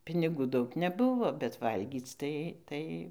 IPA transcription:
pʲɪnʲɪˈɡuː ˈdɐʊk nʲɛˈbʊʋoː bʲɛt ˈʋɐlʲɡʲiːt͡s tɐɪ ˈtɐɪ

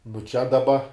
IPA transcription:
nʊ t͡ʃʲɛ dɐˈbɐ

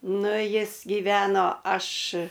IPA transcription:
ˈnʊ ˈjɪs ɡʲiːˈʋʲæːnoː ˈɐʃ

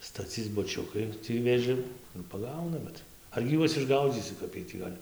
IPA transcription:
stɐˈt͡sʲiːt͡s bʊˈt͡ʃʲʊkɐɪ ˈtʲiː ʋʲeːˈʒʲɪm ɪr pɐˈɡɐʊnɐ ˈbʲɛt ɐrʲɡʲɪ ˈjuɔs ɪʒˈɡɐʊd͡zʲiːsʲɪ ˈkɐp iɛj tʲiː ˈɡɐlʲ

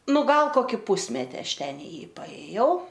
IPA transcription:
ˈnʊ ˈɡɐlˠ ˈkoːkʲɪ ˈpʊsʲmʲɛtʲɪ ˈɐʃ ˈtʲɛn ɪ ˈjiː pɐeːˈjɛʊ

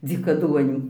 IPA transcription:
d͡zʲiːkɐˈduɔnʲuː

